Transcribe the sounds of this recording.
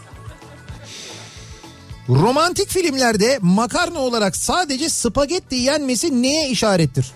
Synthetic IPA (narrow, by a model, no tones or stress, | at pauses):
ɾo̞mant̪ʰicfilʲimlʲæɾd̪ɛmakʰaɾnao̞lˠaɾaksaːd̪e̞d͡ʒɛsɯpaɟɛt̪lʲijænmesine̞jɛiʃaːɾɛt̪ʰːiɾ̝̥